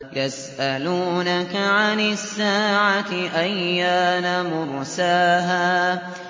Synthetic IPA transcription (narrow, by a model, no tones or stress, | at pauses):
jas | ʔaluːnakaʕanɪsːaːʕat̪ɪʔajːaːnamʊɾsaːɦaː